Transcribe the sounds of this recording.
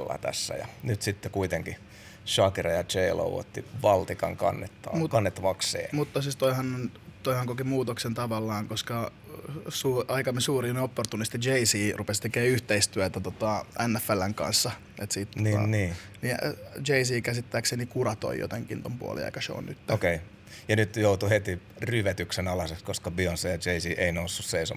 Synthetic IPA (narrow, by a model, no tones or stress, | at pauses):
lːɑ̰t̪æ̰sːæ̰jɑ̰nyt̪sit̪ːekuit̪eŋki | ʃɑkirɑjɑt͡ʃeilo̰uo̰t̪ːiʋɑlt̪ikɑŋkɑ̰nːet̪ːɑ̰ːmut̪kɑnːet̪ːɑʋɑksˑḛːmut̪ːɑsist̪oihɑnt̪oihɑŋkokimuːt̪oksent̪ɑʋɑlːɑːŋkoskɑ | suːɑikɑmisuːrinopːort̪unist̪id͡ʒeisiːrʔupest̪ekeːyht̪eist̪yæt̪æt̪ot̪ɑʔænːæfːælːæŋkɑ̰nsːɑ | ʔḛt̪siːt̪ːnːniːnid͡ʒeisiːkæsit̪ːæːkseːnikurɑt̪o̰ijo̰t̪eŋkḭnt̪ompṵo̰lḭɑ̰ikɑso̰o̰nnyt̪ːæokei | jɑnyt̪jout̪uhet̪iryʋæt̪yksenɑlɑsekskoskɑbionsejɑd͡ʒeisiːʔeinousːusseiso̰